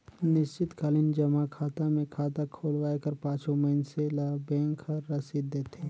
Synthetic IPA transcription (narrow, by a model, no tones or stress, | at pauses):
nɪʃt͡ʃɪt̪kaːlɪnd͡ʒɐmakʰaːt̪amẽkʰaːt̪akʰoːlwaːekəɾpãːt͡ʃõməɪnselabɛ̃ːŋkʰəːɐsid̪ːeːt̪e